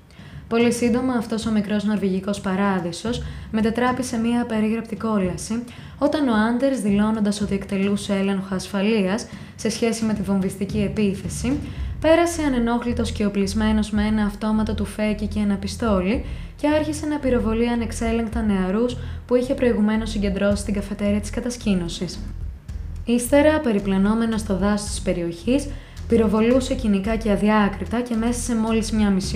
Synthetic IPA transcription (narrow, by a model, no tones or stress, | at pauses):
po̞lisind̪o̞mɐːft̪o̞so̞mikɾo̞zno̞ɾviʝiko̞spɐɾɐðiso̞sme̞t̪et̪ɾɐpise̞miɐːpe̞ɾiɣɾɐp̚t̪iko̞lɐsi | o̞t̪ɐno̞ɐnd̪e̞ɾzðilo̞no̞nd̪ɐso̞t̪ie̞kt̪e̞lusele̞ŋxoɐsfɐliɐsː | e̞sçe̞sime̞t̪ivo̞nvist̪icie̞piθe̞sipe̞ɾɐse̞ɐne̞no̞xlit̪o̞sce̞o̞plizme̞no̞zmee̞nɐːft̪o̞mɐt̪ɐt̪ufe̞cice̞ːnɐpist̪o̞li | ce̞ɐɾçisenɐpiɾo̞vo̞liɐne̞kse̞leŋkt̪ɐne̞ɐɾuspuiçe̞pɾo̞iɣume̞no̞siɲɟe̞nd̪ɾo̞sist̪iɡɐfe̞t̪e̞ɾiɐt̪i̥skɐt̪ɐscino̞sis | ist̪e̞ɾɐpe̞ɾiplɐno̞me̞nɐst̪o̞ðɐsto̥t̪i̥spe̞ɾio̞çis | piɾo̞vo̞luse̞cinikɐceɐðiɐkɾit̪ɐceme̞sɐse̞mo̞lizmɲɐmis